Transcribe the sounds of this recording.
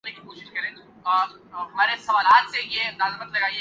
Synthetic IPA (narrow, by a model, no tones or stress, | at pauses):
nekikoːʃɪʃkɐɾẽː | ɦɐmaːɾesɐʋaːlaːt̪sejenaːzbət̪lɐɡaːie